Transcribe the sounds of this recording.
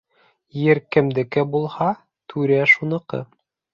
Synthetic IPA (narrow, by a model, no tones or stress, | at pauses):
jɘɾkɘ̆md̪ɘ̆kɘbulˠhɑ | t̪ʰʉɾæʃunɤ̆qɤ̰